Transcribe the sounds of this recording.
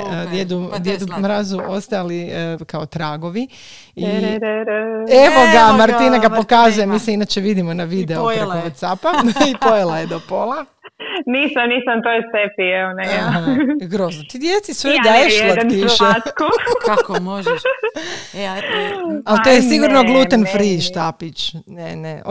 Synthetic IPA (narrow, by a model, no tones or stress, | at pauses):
d̪jed̪ud̪jed̪umɾazuʔo̞st̪aalikaot̪ɾaːɡo̞ʋi | i | eʋod̪amaɾt̪inaɡapokazujemiːseinat͡ʃeʋid̪imonaʋid̪eopɾokoʋot̪sapaipojelˠajed̪opolˠa | niːsamniːsamt̪ojesepieonɛaaaɡɾoːznot̪id̪jet̪sisʋed̪ajeʃlaiʃet̪koamoʒ | alt̪ojesiɡuɾnoɡluːt̪anfɾiʃt̪apit͡ʃnenḛ